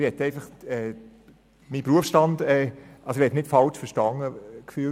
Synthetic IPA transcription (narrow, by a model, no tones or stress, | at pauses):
hɛt̪ɛɪfɑχɛː | mipɾuəfsʃtɑndɛʔɑlsohɛtnɪtfɑlt͡ʃfəʃtɑŋəkfyː